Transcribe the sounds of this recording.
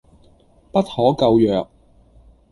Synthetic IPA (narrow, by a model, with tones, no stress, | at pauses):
pɐ˥t̚hɔː˨˥kɐ˧wjœː˨k̚